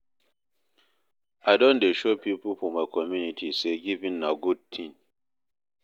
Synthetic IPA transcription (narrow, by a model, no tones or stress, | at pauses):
aɪdõndeʃopipəlfɔmaɪkʰɔmjunitʰiseɡivĩnːaɡud̚t̪ʰĩn